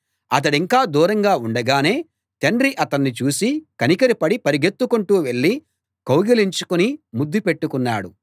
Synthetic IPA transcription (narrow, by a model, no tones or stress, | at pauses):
ɐt̪̬ɐɽiŋkaːd̪uːɾɐŋɡaːuɳɖɐɡaːne̞ː | t̪eɳɖɾiʔɐt̪ɐnːit͡ʃuːsikɐnikɐɾipɐɽipɐɾiɡet̪ːukuɳʈuːʋe̞ɭːi | kɐwɡiliɲt͡ʃu̥kunimud̪ːipeʈːukunːaːɽu